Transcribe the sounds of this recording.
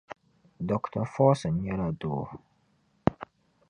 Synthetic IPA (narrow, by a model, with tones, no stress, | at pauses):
dɔ˨ktʰa˨fɔː˦sɨ˨n̩˨˦ɲɛ˦la˦doː˨